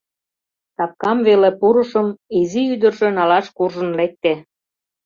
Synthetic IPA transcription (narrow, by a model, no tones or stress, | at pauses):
t̪ɑp̚kɑmβelepuɾə̆ʃəmiziyd̪ə̆rʃenɑlɑʃkurʒə̆nlek̚t̪e